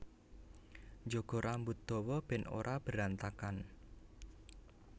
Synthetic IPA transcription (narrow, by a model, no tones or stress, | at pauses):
d͡ʒoɡ̥ɔ̤ɾʔambut̪̚d̪̥ɔ̤wɔb̥ɛ̤no̰ɾʔab̥ə̤ɾant̪akan